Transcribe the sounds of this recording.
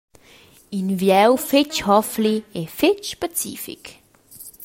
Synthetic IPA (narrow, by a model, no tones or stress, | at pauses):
invjɛwfɪt͡ʃhɔfliefɪt͡ʃːpɛt͡sḭːfḭk